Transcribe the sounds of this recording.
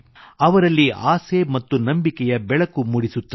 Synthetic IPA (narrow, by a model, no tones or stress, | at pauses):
ɐʋɐɾɐlːiaːsemɐt̪ːunɐmbikɛjɐbɛɭɐkumuɽisut̪ːɐ